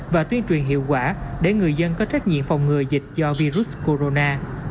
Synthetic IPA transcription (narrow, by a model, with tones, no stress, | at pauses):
vaː˨˩t̪wi˧ənt͡ɕwi˨˩ənɦḭ˧˨wkwaː˧˩ɗḛ˧˩ŋɨ˨˩əjzə˧nkɔ˨˦t͡ɕa˦˥jk̚ɲḭ˧˨əmfa˨˩wŋ͡mŋɨ˨˩əjzï˨˩k̟̚zɔ˧vi˧zu˦˥sko˧ɾo˧naː˧